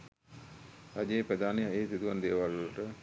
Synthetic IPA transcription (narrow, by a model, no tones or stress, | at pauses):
sad͡ʒeːpɾəd̪aːnejaeːsid̪uʋand̪eːʋalʋoləʈə